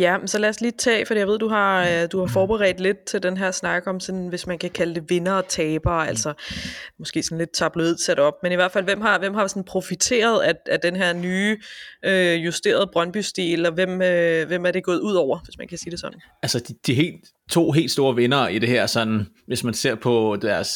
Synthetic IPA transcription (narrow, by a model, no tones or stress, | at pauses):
jæmmsɒ̽læɐsliːt͡sʰɛ̰ːfd̥ḭːjɑʋe̝̰duɦɑ̈d̥uhɑ̈fɒːb̥eʁɛ̰ːd̥le̝d̥̚t͡sʰe̝ld̥enɦæɐ̰snɑ̈ɡ̥əɒ̽msɒ̽nʋe̝smænkʰækʰæləd̥e̝ʋe̝nɐːt͡sʰɛːb̥ɐːælsɐmɒ̽sɡ̥e̝̰ːsɒ̽n̩le̝d̥̚t͡sʰɑ̈b̥loið̰ˠsæɾ̥ɒ̽b̥̚meniʋæɐ̰̥fælʋem̰ɦɑ̈ʋem̰ɦɑ̈sɒ̽n̩pʰʁo̝fit͡sʰe̝̰ːɐð̞ˠææd̥enɦeɐ̰nyːøjusd̥e̝̰ːɐð̞̩ˠb̥ʁɶnb̥ysd̥iːlɒʋem̰øʋemæɐɾ̥e̝ɡ̥ɔ̽ːð̩ˠuð̰ˠɒʊ̰ɐʋesmænekʰæsiːdesɒ̽d̥n̩ | ælsɐd̥id̥iɦe̝̰ːld | t͡sʰo̝̰ːɦe̝̰ːld̥sd̥o̝ːɐʋe̝nɐid̥e̝heɐ̰sɒ̽nn̩ | ʋe̝smænse̝ɐ̰pʰɒ̽d̥æɐs